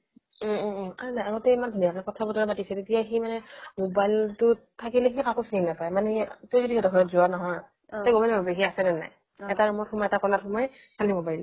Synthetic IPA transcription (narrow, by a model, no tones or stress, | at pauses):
anaaɡotɛimandʱunijakɛkɔtʰabɔtɔɹabatisɛtetijaximanɛmobajltʊ | tʰakilexikakosininnapajmanɛtojzodiɛdɔkʰɔjɔtzʊwanɔɦɔj | ɔjɡomɛlbʱabɛɦiasɛnɛna̰j | ɛtaɹɔmɔtxɔmɔɛtakɔnatxɔmɔjɛ | sʰalimobajl